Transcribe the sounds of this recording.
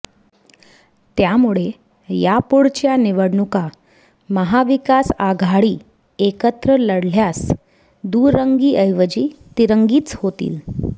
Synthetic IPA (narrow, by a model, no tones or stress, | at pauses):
t̪jamuɭe | japuɽt͡ɕjaniʋəɽɳuka | məɦaʋikasaɡʱaɽiː | ekət̪ɾələɽl̤jas | d̪uɾəŋɡiːʔəjʋəd͡ʑiːt̪iɾəŋɡiːt͡shot̪ḭːl